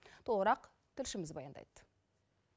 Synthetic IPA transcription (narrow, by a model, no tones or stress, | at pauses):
t̪ʰoʁəɾɑq | t̪ʰʏlʃɪmɪzbɑ̰jɑnd̪ɑ̰jd̪̥